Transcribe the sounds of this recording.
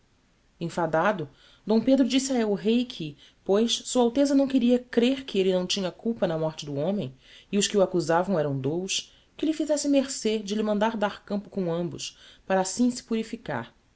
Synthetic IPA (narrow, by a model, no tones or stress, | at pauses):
ẽfad̪ad̪ʊ | d̪õw̃ped̪ɾʊd͡ʒisaɛʊɦejkʰɪ | pojssuɐawt̪ezɐnɐ̃w̃keɾiɐkɾeɾkʰɪelɪnɐ̃w̃t͡ʃĩɲɐkuwpɐnɐmɔɾt͡ʃɪd̪ʊõmẽj̃ɪʊʃkɪuakuzavɐ̃w̃ɛɾɐ̃w̃d̪owʃ | kɪlɪfizɛsɪmeɾsed͡ʒɪlɪmɐ̃nd̪aɾd̪aɾkɐ̃mpʊkõw̃ɐ̃mbʊ̰ʃpaɾɐaːsĩsɪ̥puɾifika̰ɾ